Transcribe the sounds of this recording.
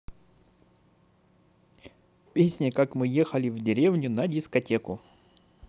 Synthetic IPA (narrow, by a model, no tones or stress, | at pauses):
pʲesʲnʲɪkakmɨjexəlʲɪvdʲɪɾʲe̞vnʲʊnɐdʲɪskɐtʲekʊ